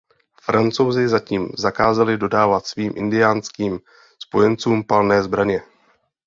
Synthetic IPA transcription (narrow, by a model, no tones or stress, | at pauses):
fɾant͡so̞wzɪzaciːmzakaːzalɪdo̞daːvat̪sviːmʔɪ̰ndɪjaːnskiːm | spo̞jɛnt͡suːmpalnɛːzbɾaɲɛ